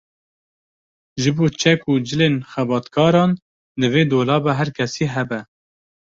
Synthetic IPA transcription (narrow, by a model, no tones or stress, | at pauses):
ʒɨboːt͡ʃʰɛkuːd͡ʒɨleːnxɛbɑːt̪kʰɑːɾɑːn | d̪ɨveːd̪oːlɑːbɛɦæɾkʰɛsiːɦɛbɛ